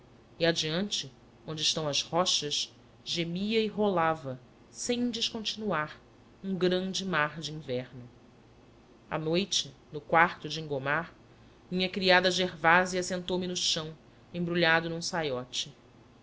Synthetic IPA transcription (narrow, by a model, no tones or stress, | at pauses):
iad͡ʒiɐ̃nt͡ʃɪ | õnd͡ʒɪʃt̪ɐ̃w̃ɐzhɔʃɐʃ | ʒemiɐɪɦolavɐ | sẽj̃d͡ʒɪʃkõnt͡ʃinuaɾ | ũɡɾɐ̃nd͡ʒɪmaɾd͡ʒiĩvɛɾnʊ | a̰nojt͡ʃɪ | nʊkwaɾt̪ʊd͡ʒɪĩŋɡomaɾ | mĩɲɐkɾiad̪ɐʒeɾvaziɐsẽnt̪owmɪnʊʃɐ̃w̃ | ẽbɾuʎad̪ʊnũsajɔt͡ʃɪ